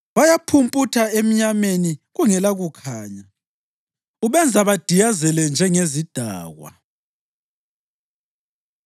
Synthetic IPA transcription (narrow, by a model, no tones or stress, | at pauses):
βajapʰumpʼutʰaem̩ɲameniɣuŋɛlaɣukʰaːɲa | uβɛnd͡zʱaβad̥ʱijazɛlɛnd͡ʒʱɛŋezid̥ʱa̰ːɣwa̰